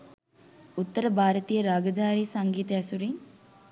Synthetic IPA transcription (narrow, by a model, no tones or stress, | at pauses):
ut̪ːɐɾɐbʱaːɾɐt̪iːjɐɾaːɡɐd̪ʱaːɾiːsɐŋɡiːt̪ɐɐsuɾi